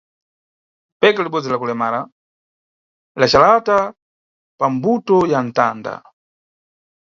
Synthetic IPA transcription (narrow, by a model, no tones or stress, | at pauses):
pɛkaliɓɔd͡zilakulɛmaːɾa | lat͡ʃalata | pambutɔjan̩ta̰ːnda̰